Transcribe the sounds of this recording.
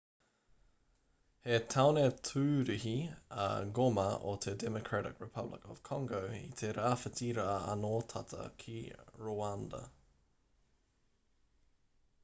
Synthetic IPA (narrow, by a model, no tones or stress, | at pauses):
het̪ʰawnet̪ʰʉːɾiɦiɐ̰ɡomɐʔot̪ʰedɛmokʰɹaɾɪkɹɪpʰɐblɪ̰kɔ̰v̥kʰɔŋɡowḭt̪ʰeɾaːfətʰiɾaːɐ̰noːt̪ʰɐt̪ʰə̰kʰiɹoandɐ̰